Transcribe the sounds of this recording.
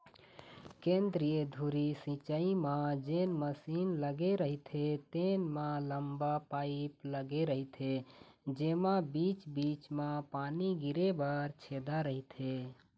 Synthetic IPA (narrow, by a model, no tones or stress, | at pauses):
kẽːnd̪ɾijəd̪ʱuɾisĩt͡ʃaimãd͡ʒeːnməsiːnləɡeɾəɦit̪ʰet̪enmãləmbapaːɪpləɡeɾəɦit̪ʰe | d͡ʒeːmãbit͡ʃbiːt͡ʃmãpaːniɡiɾebaɾt͡ʃʰed̪aɾəɦit̪ʰe